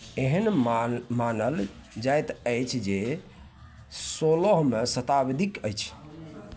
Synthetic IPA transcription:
eɦənmanəl | d͡ʒajt̪əjt͡ʃʰd͡ʒe | solɔɦmesət̪abed̪ikəjt͡ʃʰ

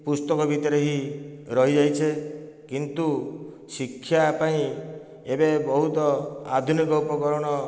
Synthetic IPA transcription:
pust̪ɔkɔbʱit̪ɔɾeɦiɾɔɦid͡ʒajt͡ʃʰekint̪u | sikʰːjapaĩ | ebebɔɦut̪ɔa̰d̪ʱunikɔupɔkɔɾɔɽ̃ɔ

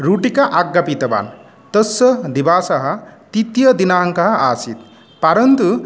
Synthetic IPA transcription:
ɾuʈikaʔaɡːɐpit̪ɐba̰ːn | t̪ɐsɐd̪ibaːsɐɦɐt̪it̪ijɐd̪inaːɦŋkɐɦa̰ːsit̪ | paɾɐnt̪u

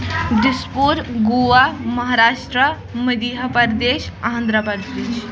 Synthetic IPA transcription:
ɖispuɾɡuamɐɦaɾaːʃʈɾə | məd̪iɦɐpəɾd̪eːʃɐɦə̃nd̪ɾəpəɾd̪eːʃ

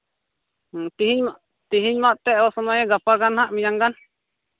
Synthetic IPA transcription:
t̪iɦiɲmaʔ | t̪iɦiɲmaʔt̪ɛɔsɔmɔjɛɡapakanhaʔmiɲaŋkan

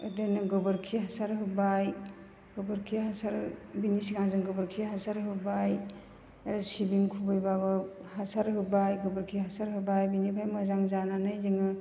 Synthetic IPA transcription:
ɯ̰denɯɡɯbɯɾkʰiɦasaɾɦɯbaj | ɡ̥ɯbɯɾkʰiɦasaɾbinisiŋaŋzɯŋɡɯbɯɾkʰiɦasaɾɦɯbaj | aɾasibiŋkʰubɯjbaβɯhasaɾɦɯbajɡɯbɯɾkʰiɦasaɾɦɯbajbinipʰajmɯzaŋzananɯjziŋɯ

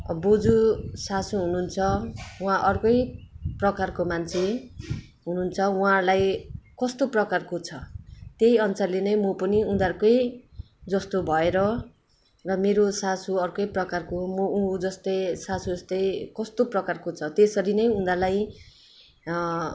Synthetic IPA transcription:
bod͡zusasuɦununt͡sʰʌũɦãʔʌrkʌjprʌkarkomant͡sʰe | ɦununt͡sʰʌũɦãrlajkʌst̪oprʌkarkot͡sʰʌt̪ejʌnsarlenʌjmʌpʌniũd̪arkʌj | d͡zʌst̪obʱʌeɾʌ | rʌmeɾosasuʌrkʌjprʌkarkomʌud͡zʌst̪ʌjsasuʌst̪ʌjkʌst̪oprʌkarkot͡sʰʌt̪esʌɾinʌjũnd̪arlaj

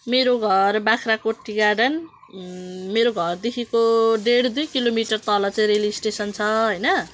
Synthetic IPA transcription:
meɾoɡʱʌrbakʰrakoʈːiɡaɖʌn | meɾoɡʱʌrd̪ekʰikoɖeɽd̪ujkilomiʈʌrt̪ʌlʌt͡saj̃ɾelisʈesʌnt͡sʰʌɦʌjnʌ

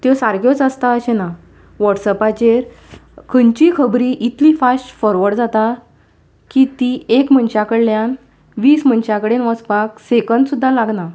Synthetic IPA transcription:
t̪jɔsaɾkjɔt͡sast̪aəɕena | ʋɔʈsəpat͡ɕeɾ | kʰənt͡ɕikʰəbɾiʔit̪ʰliːfasʈfɔɾʋəɽd͡zat̪a | kit̪iekmənɕakəɽljan | ʋiːsmənɕakəɽenʋəspaksekənd̪sud̪ʱːalaɡna

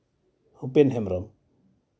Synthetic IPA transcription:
hupenɦemɾɔm

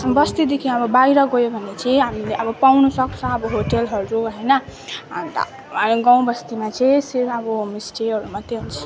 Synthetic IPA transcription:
bʌst̪id̪ekʰiʌbʌbaiɾʌɡojobʱʌnːet͡sʰiɦamileʔʌbʌpawnusʌkt͡sʰʌ̃ːbʌɦoʈelɦʌɾuɦʌjnʌ | t̪ | ɡãw̃bʌst̪imat͡sʰisiɾpʰʌbɔmisʈiʌɾumat̪eunt͡sʰi

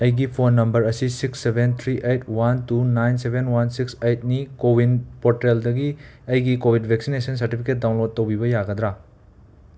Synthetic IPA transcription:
ɐjɡipʰonːɐmbɐɾɐsisiksːebʱent̪ʰɾiʔejt̚ʰwantunajnsebʱenwansiksejt̚nikowinpotɾeldɐɡi | ɐjɡikobʱidbʱek̚sinesɐns̬ɐɾtipʰiket̚daw̃nlod̚ːowbibɐjaɡɐd̪ɾa

